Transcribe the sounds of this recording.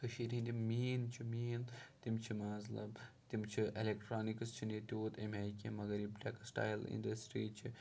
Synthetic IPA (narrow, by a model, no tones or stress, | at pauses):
kɐʃiːɾĩnd̪imiːnt͡ʃʰimiːnt̪imt͡ʃʰimaːzlɐ̰bt̪imt͡ʃʰiʔelekʈɾaːnikst͡ʃʰinet̪ʲuːt̪emɦekʲemɐɡɐɾiblʲaːkɐsʈa̰ːjlḭnɖɐsʈɾiːt͡ʃʰi